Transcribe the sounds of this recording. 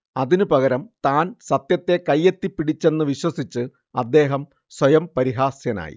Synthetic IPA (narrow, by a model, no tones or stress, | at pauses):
ɐðinɨpɐɣɐɾɐmt̪aːnsɐt̪jɐt̪ːe̞kɐjːe̞t̪ːipːiɽit͡ɕːe̞nːɨʋiɕwɐsit͡ɕːɨ | ɐd̪ːe̞ːɦɐm | swɐjɐmpɐɾiɦaːsjɐna̰ːjḭ